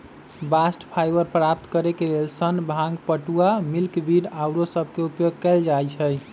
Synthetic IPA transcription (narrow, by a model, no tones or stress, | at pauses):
basʈpʰajbəɾpɾap̚t̪kəɾekelelsənbʱãŋɡpəʈuamilkbiɖawɾosəbʱkeupjoɡ̚kɛld͡ʒajt͡ʃʰəj